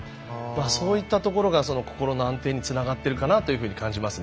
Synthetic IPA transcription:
aso̞ːit̪ːat̪o̞ko̞ɾo̞ɡaso̞no̞ko̞̥ko̞ɾo̞no̞ãnt̪e̞ːɲ̟it͡sɨnaɡat̪ːe̞ɾɯ̟kanat̪o̞jɯ̟ɸɯ̟ːɲ̟i̥kãɲ̟d͡ʑimasɨn

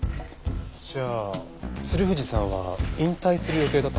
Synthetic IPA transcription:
ɕaː | sɨɾɯ̟ɸɯ̟d͡ʑisãβaĩnt̪aisɨɾɯjo̞t̪e̞ːd̪at̪ː

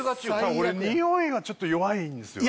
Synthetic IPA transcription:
aaoɾeɲʲĩhõːeːɡat͡ɕo̞t̪ːojo̞βaĩnd̪esɨjo

